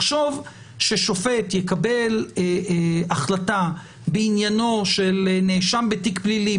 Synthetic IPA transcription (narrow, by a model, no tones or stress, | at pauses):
χʃo̞v | ʃeʃo̞fe̞tjekabe̞l | aχlata | beinjano̞ʃelneʃambetikblili